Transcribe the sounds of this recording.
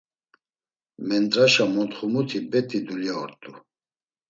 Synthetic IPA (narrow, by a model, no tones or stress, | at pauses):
mɛnt̪ʼɾaʃamɔt̪χumut̪ʰibɛt̪ʰʼid̪uljaɔɾt̪ʼu